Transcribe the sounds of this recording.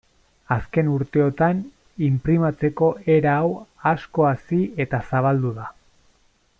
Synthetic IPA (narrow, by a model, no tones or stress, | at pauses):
aske̞nuɾt̪e̞o̞t̪an | impɾimat͡se̞ko̞ʔe̞ɾaːwasko̞asie̞t̪asaβ̞ald̪uða